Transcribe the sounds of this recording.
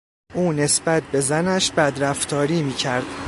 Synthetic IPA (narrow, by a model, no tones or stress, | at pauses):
ʔuːne̞sbæt̪̚ʰbe̞zænæʃbæd̪ɾæft̪ʰɒːɾiːmiːcʰæɾd̪̥